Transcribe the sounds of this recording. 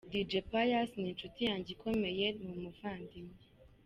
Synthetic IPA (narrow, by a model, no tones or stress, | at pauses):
did͡ʒepajasnitutiãnd͡ʒikʰɔmɛjɛt̚momofãndim